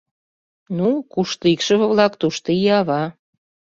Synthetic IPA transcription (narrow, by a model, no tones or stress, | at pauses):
nukuʃt̪ikʃə̆βə̆βlɑkt̪uʃt̪oiɑβɑ